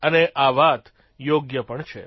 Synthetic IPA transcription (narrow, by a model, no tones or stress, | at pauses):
əneʔaʋat̪ | joɡjəpəɳt͡ʃʰḛ